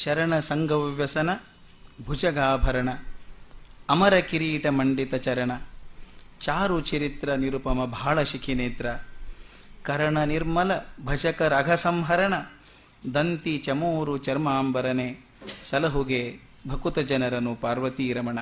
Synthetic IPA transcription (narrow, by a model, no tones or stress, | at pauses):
ʃɐɾɐɳɐsɐŋɡʱɐʋʋjɐsɐnɐ | bʱud͡ʒɐɡaːbʱɐɾɐɳɐ | ɐmɐɾɐkiɾiːʈɐmɐɳɖit̪ɐt͡ʃɐɾɐɳɐ | t͡ʃaːɾut͡ʃɐɾit̪ɾɐniɾupɐmɐbʱaːɭɐʃikʰineːt̪ɾɐ | kɐɾɐɳɐniɾmɐlɐbʱɐd͡ʒɐkɐɾɐɡʱɐsɐmɦɐɾɐɳɐ | d̪ɐnt̪it͡ʃɐmoːɾut͡ʃɐɾmaːmbɐɾɐneː | sɐlɐɦuɡeː | bʱɐkut̪ɐd͡ʒɐnɐɾɐnupaːɾʋɐt̪iːɾɐmɐɳɐ